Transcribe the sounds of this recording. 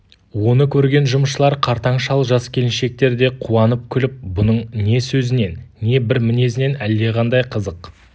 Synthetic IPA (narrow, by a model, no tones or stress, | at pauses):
wo̞nəkʲʰɵɾɡʲe̞nʒʊməʃəlˠɑɾqʰɑɾt̪ɑɴʃɑlˠʒɑskʲʰe̞lɪnʃe̞k̚t̪e̞ɾd̪e̞qʰuɑnəp̚kʲʰʏlɪp̚bʊnəɴne̞sɵzɪne̞nːe̞bɪɾmɪne̞sɪne̞næld̪e̞ʁɑnd̪ɑjqʰəzəq